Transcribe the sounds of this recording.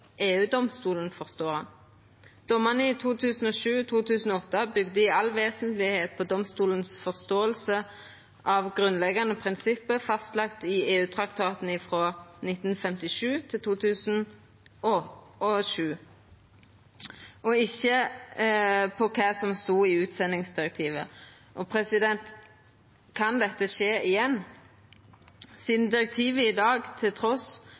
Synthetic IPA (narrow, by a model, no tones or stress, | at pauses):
ʔeːʉːd̪ɔmst̪uːlənfɔʁst̪oːhɑn | d̪̥ɔmɑnəɪt̪ʰuːt̪ʰʉːsn̩ɔːʃʉːt̪ʰuːt̪ʰʉːsn̩ɔɔt̪ːəbʏɡd̪əɪɑlʋeːsənt̪lɪheːt̪̚pʰɔd̪ɔmst̪uːlənsfɔʁst̪oːəlsə | ʔɑʋɡʁʉnlɛɡɑnəpʰʁɪnsɪpːəfɑst̪lɑkt̪ɪeːʉːt̪ʰʁɑkt̪ʰɑːt̪n̩ɪfʁoːnɪt̪n̩fɛmt̪ɪʂʉːt̪ʰɪlt̪ʰuːt̪ʰʉːsn̩ | ɔɔʃʉː | ɔɪçːə | pʰɔkʰɑːsɔmst̪uːɪʉːt̪sɛnːɪŋsd̪ɪɾɛk̚t̪ʰiːʋə | ʔɔpʰɾɛsɪd̪ɛnt̪ | kʰɑnd̪ɛt̪ːəʃeːɪjɛnː | siːd̪n̩d̪ɪɾɛk̚t̪ʰiːʋəɪd̪ɑːɡt̪ʰɪlt̪ʰɾɔs